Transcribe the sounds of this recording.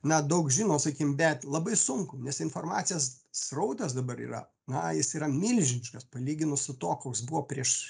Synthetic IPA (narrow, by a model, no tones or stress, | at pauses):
nɐd̪ɐʊkʒʲiːnoːsɐkʲiːkmbʲɛt̪lˠɐbɐɪsʊŋkʊnʲɛsɪnfoːrmɑːt̪sʲɪjɛs | srɐʊt̪ɐsd̪ɐbɐɾḭːɾɐ̰ | nɐjɪsiːɾɐmʲɪlʲʒʲɪnʲɪʃkɐspɐlʲiːɡʲɪnʊsʊt̪oːkoːjsbuʋoːpʲɾʲiɛʃ